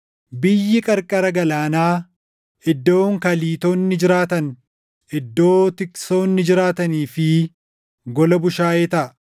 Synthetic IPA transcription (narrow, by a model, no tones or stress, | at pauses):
bɪjːɪkʼɐɾkʼɐɾɐɡɐlaːnaː | ɪd̪ːo̞ːŋkɐliːt̪oːnːɪd͡ʒɪɾaːt̪ɐn | ɪd̪ːo̞ːt̪ɪkso̞ːnːɪd͡ʒɪɾaːt̪ɐniːfɪ | ɡɔlɐbʊʃaːeːt̪ɐ